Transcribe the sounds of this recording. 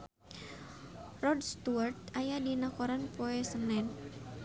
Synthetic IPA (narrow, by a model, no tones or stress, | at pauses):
rɔdst̪uart̪ajadinakɔɾanpɔɛsənɛn